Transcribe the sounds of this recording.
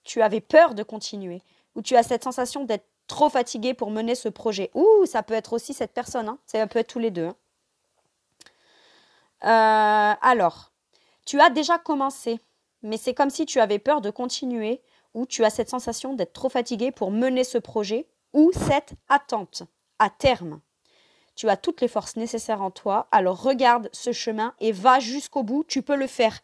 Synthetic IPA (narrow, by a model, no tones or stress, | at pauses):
t̪ʰyavɛpœʁd̪əkɔ̃t̪ʰinɥe | ut̪yasɛt̪sɑ̃sasjɔ̃d̪ɛt̪χət̪χofat̪iɡʲepuʁmənesəpχɔʒɛʔusapøɛt̪χosisɛt̪̚pɛʁsɔnɛ̃sɛpøɛt̪χt̪uled̪øɛ̃ | øalɔːʁ | t̪yad̪eʒakɔmɑ̃se | mɛsɛkɔmsit̪yavɛpœʁd̪əkɔ̃t̪ʰinɥe | ut̪yasɛt̪sɑ̃sasjɔ̃d̪ɛt̪χət̪χofat̪iɡʲepʰuʁmənesəpχɔʒɛ | usɛt̪at̪ɑ̃t̪ | at̪ɛʁm | t̪yat̪ut̪lefɔʁsnesesɛʁɑ̃t̪waalɔʁːəɡaʁd̪səʃəmɛ̃ʔevaʒyskobut̪ypøləfɛːʁ